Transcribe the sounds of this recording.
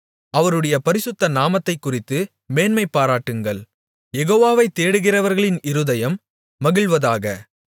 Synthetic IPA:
ɐʋɐɾɯɽɐjɐpɐɾɪsɯt̪ːɐnaːmɐt̪ːɐɪkːʊrɪt̪ːɯ | meːnmɐɪpːaːɾaːʈːɯŋɡɐɭ | jɛɣoːʋaːʋɐɪt̪ːeːɽɯɣɪrɐʋɐɾɣɐɭɪnɪɾɯðɐjɐmː | ɐɣɪɭʋɐðaːɣɐ

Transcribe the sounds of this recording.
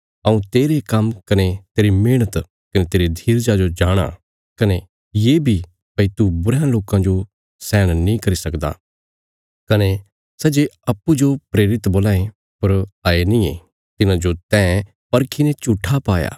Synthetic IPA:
ɐũt̪eːɾekɐmkɐnet̪eːɾimeːɽ̃ət̪ | kɐnet̪eːɾid̪ʱiːɾd͡ʒad͡ʒod͡ʒaːɽ̃a̰ | kɐne | jeːbʱi | pɐit̪ubʊɾãloːkãd͡ʒo | sɛ̃ːɽ̃nĩkɐɾisɐkd̪a̰ | kɐne | sɛd͡ʒeɐpːud͡ʒopɾeːɾɪt̪boːlaːẽ | pɐɾaːenĩe | t̪ɪnãd͡ʒot̪ɛ̃ː | pɐɾkʰinẽt͡ʃuʈʰːapaːja̰ː

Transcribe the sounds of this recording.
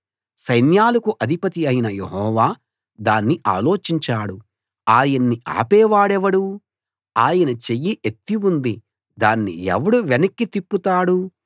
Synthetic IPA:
sɐjnjaːlɐkuʔɐd̪ʱipɐt̪iɐjnɐjeɦɔːʋaː | d̪aːnːiʔa̰ːlo̞ːt͡ʃiɲt͡ʃaːɽu | aːjɐnːia̰ːpɛːʋaːɽɛʋɐɽu | aːjɐnɐt͡ʃe̞jːiʔet̪ːiund̪i | d̪aːnːḭɛ̰ʋɐɽuʋenɐkːit̪ipːut̪aːɽu

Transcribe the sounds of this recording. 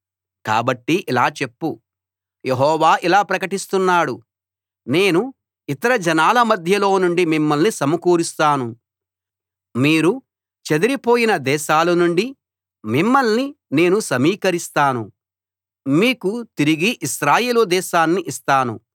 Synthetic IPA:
ka̰ːbɐʈːiʔilaːt͡ʃe̞pːu | jeɦɔːʋaːʔilaːpɾɐkɐʈist̪unːaːɽu | ne̞ːnu | it̪ɐɾɐd͡ʒɛnaːlɐmɐd̪ʱjɐlo̞ːnuɳɖimimːɐlnisɐmɐkuːɾist̪aːnu | miːɾu | t͡ʃe̞d̪ɐɾipo̞ːjinɐd̪ɛːʃaːlɐnuɳɖi | mimːɐlnine̞ːnusɐmiːkɐɾist̪aːnu | miːkut̪iɾiɡiʔiʃɾaːjeːlud̪ɛːʃaːnːiʔist̪aːnu

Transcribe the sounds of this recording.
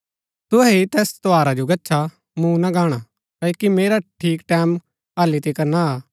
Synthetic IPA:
t̪ʊɦɛɦit̪ɛːst̪oaːɾad͡ʒoɡɐtːʃʰa | mũnaɡaːɽ̃a | kaːkimeːɾaʈʰiːkʈɛːm | ɦaːlit̪ekɐɾnaaː

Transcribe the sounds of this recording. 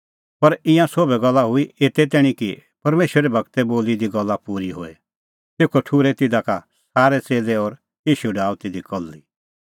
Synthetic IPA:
pɐɾɪ̃jãsobɛɡɐlːaɦʊieːt̪ɛt̪ɛːɽ̃ĩkipɐɾmeːʃəɾɛbʱɐɡt̪ɛboːlid̪iɡɐlːapuːɾiɦo̰ːḛ | t̪eːkʰoʈʰuːɾɛt̪ɪd̪aka | saːɾɛt͡seːlɛɔːɾ | iːʃuɖaːut̪ɪd̪ikɔlːi

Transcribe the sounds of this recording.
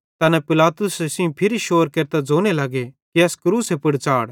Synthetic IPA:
t̪ɐnɛ̃pɪlaːt̪ʊsesɪ̃ũpʰɪɾiʃoːɾkeːɾt̪ad͡zoːñelɐɡekiɐskʊɾuːsepɪɽt͡ʃaːɽ

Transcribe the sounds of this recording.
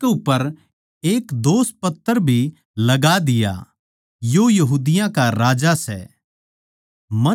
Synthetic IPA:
ʊpːəɾ | eːkd̪oːspɐt̪ːəɾbʱi | lɐɡad̪ɪja̰ | joːjɐɦuːd̪ɪjãkaɾaːd͡ʒasɛ̰ː | mɐ

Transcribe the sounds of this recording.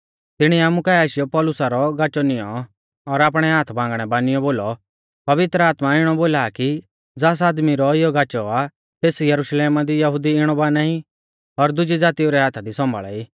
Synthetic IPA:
t̪ɪɽ̃iaːmũkaaːʃɪjɔpɔːlʊsaɾɔɡat͡ʃɔnɪjɔ | ɔɾaːp̬ɽ̃ɛɦaːt̪ʰbãːŋɡɽ̃ɛbaːnɪjɔboːlɔ | pɐʋɪt̪ɾəaːt̪maɪɽ̃ɔboːlaːki | d͡zaːs̬aːd̪miɾɔɪjɔɡaːt͡ʃɔa | t̪eːsjɐɾʊʃleːmad̪ijɐɦʊd̪iɪɽ̃ɔbaːnai | ɔɾd̪ʊd͡ʒid͡zaːt̪ioɾɛɦaːt̪ʰad̪isɔ̃mbʱa̰ɭɛ̰iː

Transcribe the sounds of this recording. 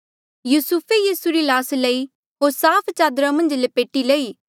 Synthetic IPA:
juːsupʰejiːsuɾilaːslɐi | ɦoːɾsaːpʰt͡ʃaːd̪ɾãmɐ̃nd͡ʒlepeːʈileːiː

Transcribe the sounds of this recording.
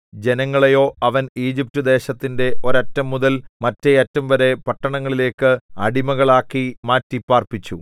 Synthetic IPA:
d͡ʑe̞nɐŋːɐɭejo̞ːɐʋɐniːd͡ʑip̚tɨd̪e̞ːɕɐt̪ːinde̞o̞ɾɐtːɐmːuðɐlmɐtːeɐtːɐmʋɐɾe̞pɐʈːɐɳɐŋːɐɭile̞ːkːɨɐɽimɐɣɐɭaːkːimaːtːipːaːrpit͡ɕːu

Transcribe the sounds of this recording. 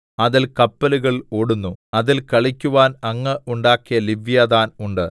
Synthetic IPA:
ɐðilkɐpːɐluɣɐɭo̞ːɽunːuɐðilkɐɭikʲːuʋaːnɐŋːɐʔuɳɖaːkːijɐliʋjaːðaːnuɳɖɨ

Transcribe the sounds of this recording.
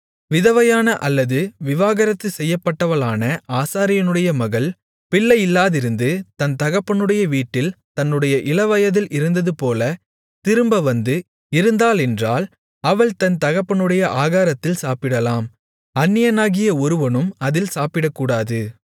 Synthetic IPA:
ʋɪðɐʋɐjaːnɐʔɐlːɐðɯʋɪʋaːɣɐɾɐt̪ːɯsɛjːɐpːɐʈːɐʋɐɭaːnɐaːsaːɾɪjɐnɯɽɐjɐmɐɣɐɭ | pɪɭːɐjɪlːaːðɪɾɯnd̪ɯt̪ɐnt̪ɐɣɐpːɐɳɯɽɐjɐʋiːʈːɪlt̪ɐnːɯɽɐjɐʔɪlɐʋɐjɐðɪlɪɾɯnd̪ɐðɯpoːlɐ | t̪ɪɾɯmbɐʋɐnd̪ɯ | ɪɾɯnd̪aːlɛndraːl | ɐʋɐɭt̪ɐnt̪ɐɣɐpːɐɳɯɽɐjɐʔaːɣaːɾɐt̪ːɪlsaːpɪɽɐlaːm | ɐnːɪjɐnaːɣɪjɐɔɾɯʋɐnɯmɐðɪlsaːpɪɽɐkːuːɽaːðɯ

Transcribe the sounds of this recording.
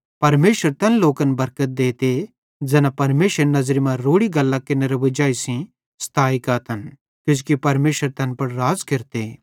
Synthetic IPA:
pɐɾmeːʃəɾt̪ɛnloːkənbɐɾkət̪̚d̪eːt̪e | d͡ʒɛːnapɐɾmeːʃəɾenɐzɾimãɾoːɽiɡɐlːãkɪneɾɐʋɪd͡ʒaːisĩ | st̪ʰaːikaːt̪ʰɐn | kʊd͡ʒkipɐɾmeːʃəɾt̪ɛːnpɐɽɾaːzkɪɾt̪eː

